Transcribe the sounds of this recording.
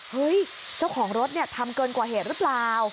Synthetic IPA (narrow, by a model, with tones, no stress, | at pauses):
hɤ˦˥j | t͡ɕa˥˩wkʰɔː˩˦ŋɾo˦˥t̪̚ni˥˩ɐt̪ʰa˧mkɤː˧nkwaː˨˩ɦeː˨˩t̪̚ɾɯ˦˥plaː˨˩w